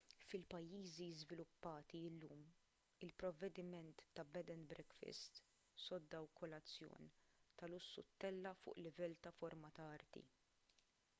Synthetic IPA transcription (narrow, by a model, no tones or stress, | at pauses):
fɪlpɐjːiːziɪzvɪlʊpːɐːt̪iɪlːuːm | ɪlpɾɔvːɛd̪ɪmɛnt̪ːɐbɛd̪ɛnbɾɛkfɪ̰st̪ | sɔd̪ːɐwkɔlɐt͡sːjɔ̰ːnt̪ɐlʊsːʊ̰t̪ːɛlːɐfʊ̰ːʔlɪvɛlːt̪ɐfɔɾmɐt̪ɐɐɾt̪ḭ